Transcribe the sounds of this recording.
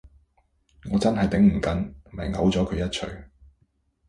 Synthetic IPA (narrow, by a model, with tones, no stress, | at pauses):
ŋɔː˨˧t͡sɐ˥nɦɐ˨jt̪ɪ˨˥ŋm̩˨˩kɐ˨˥n˨mɐ˨˩ŋɐ̰˨˥wt͡sɔː˨˥kʰɵ˨˧jɐ˥t̚t͡ʃʰɵ̰˨˧ɥ